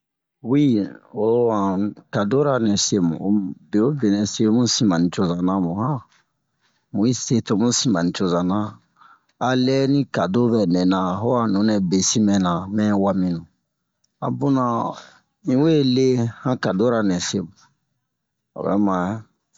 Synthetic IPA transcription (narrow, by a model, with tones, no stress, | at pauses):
wi˦o˨˦wã˨ka˨do˦ɾa˨nɛ̃˨se˦mṵ̃˨˦be˨o˦bɛ˨nɛ̃˨se˦mũ˦sĩ˨mã˨nĩ˨t͡ʃo˦zã˨nã˦mũ˨hã˦ | mũ˨i˦se˦to˨˦mũ˦sĩ˨mbã˨nĩ˨t͡ʃo˨zã˨nã˦ | a˨lɛ˦nĩ˦ka˨do˦bɛ˨nɛ̃˨nã˨ɦo˦a˨nũ˨˦nɛ˨be˨si˦mɛ̃˨nã˨mɛ̃˦wa˦mĩ˦nũ˨ | a̰˨bu˦nã˨ | ĩ˦we˦le˦hã˦ka˨do˦ɾa˨nɛ̃˨se˦mũ˨ | o̰˨bɛ̰˦ma˨˦